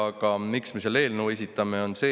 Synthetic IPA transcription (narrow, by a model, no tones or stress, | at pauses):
ɑɡ̥ɑmiksme̞sele̞ːlnuwe̞s̬ʲit̪ːˑɑme̞o̞nse̞ː